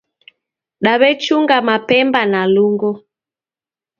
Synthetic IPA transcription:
ɗaβɛt͡ʃuŋɡamapɛmbanaluŋɡɔ

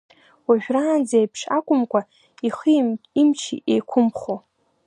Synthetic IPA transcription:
waʒᶣraːnd͡zejpʰʂakʷʼʊmkʷʼa | iχiimt͡ʃʰiʔejkʷʰʊmχo

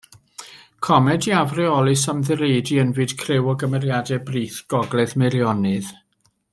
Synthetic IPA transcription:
kʰɔmɛdiavrɛɔlˠɨsamðɨɾeɨdiənvɨd̥kʰrɪwɔɡəmɛɾjadɛbriːθɡ̥ɔɡlˠɛðmɨljɔnɨð

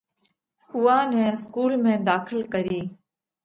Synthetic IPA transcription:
ʊːaːnɛ̃ːɪskuːlmẽːd̪aːxʰɪlkəɾiː

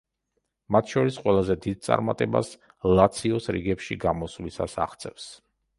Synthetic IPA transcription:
mat̪ʰʃɔɾisqʼwɛlˠazɛd̪id̪̚t̪sʼa̰ɾmat̪ʼɛba̰s | lˠat̪sʰiɔsɾḭɡɛpʃiɡamɔslisasa̰χt̪sʰʼɛfs

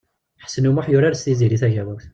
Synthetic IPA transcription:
ħə̥sənumaħjʊɾaɾst̪iziɾiθæʝæwækθ

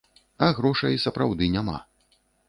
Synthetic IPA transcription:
ɐɣɾɔʂɐjsɐpɾawd̪ɨnʲama̰

